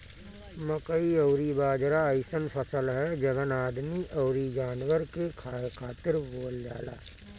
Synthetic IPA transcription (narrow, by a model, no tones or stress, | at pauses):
məkəioːɾibaːd͡ʒɾaəɪsənpʰəsəlɦɛd͡ʒɐbənaːd̪miʔɔʊɾid͡ʒaːnwəɾkekʰaːt̪ɪɾboːld͡ʒa̰ːla̰ː